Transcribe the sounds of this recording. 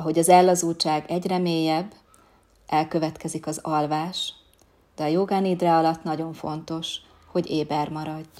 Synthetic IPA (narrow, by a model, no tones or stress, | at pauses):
ɒɦo̞ɟɒzɛlːɒzuːt͡ʃaːɡɛɟrɛmeːjɛbː | ʔɛlkøvɛt̪kɛzikɒzɒlvaːʃ | d̪̥ɛɒjoːɡaːniːd̪raɒlɒt̪nɒɟo̞ɱfo̞nt̪o̞ʃ | ho̞ɟeːbɛrmɒɾɒɟː